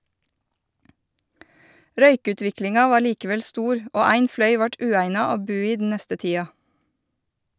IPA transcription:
ˈɾœʏˌkʉːtʋɪklɪŋɑ ˈʋɑː ˈliːkəˌʋɛl ˈstuːɾ ˈoː ˈæɪŋ ˈflœʏ ˈʋɑʈ ˈʉːæɪnɑ ˈoː ˈbʉː ˈiː dn̩ ˈnɛstə ˈtiːɑ

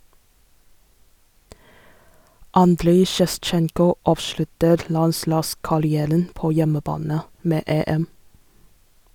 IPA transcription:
ˈɑndɾeɪ ʃɛˈst͡ʃɛŋkʊ ˈɑːʋˌʃlʉtəɾ ˈlɑnˌslɑːskɑɾɪˌæːɾən ˈpoː ˈjɛməˌbɑːnə ˈmeː ˈeːˌɛm

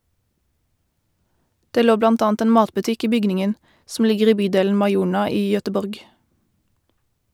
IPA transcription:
ˈdeː ˈloː ˈblɑnt ˈɑːnt ˈeːn ˈmɑːtbʉˌtɪk ˈiː ˈbʏɡnɪŋən sm̩ ˈlɪɡəʁ ˈiː ˈbyːˌdeːln̩ mɑɪˈuːɳɑ ˈiː jœtəˈbɔʁɡ

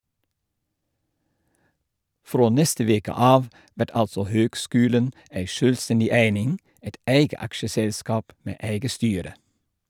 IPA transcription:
ˈfɾoː ˈnɛstə ˈʋeːkə ˈɑːʋ ˈʋæʈ ˈɑlsɔ ˈhøːɡˌskʉːlən ˈæɪ ˈʃøːlˌstɛndɪ ˈæɪnɪŋ ˈæɪt ˈæɪɡə ˈɑkʃəˌsɛlskɑːp ˈmeː ˈæɪɡə ˈstyːɾə

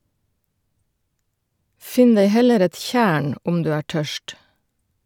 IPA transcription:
ˈfɪn ˈdeɪ ˈhɛləɾ ˈɛt ˈçæːɳ ˈʊm ˈdʉː ˈæː ˈʈœʃt

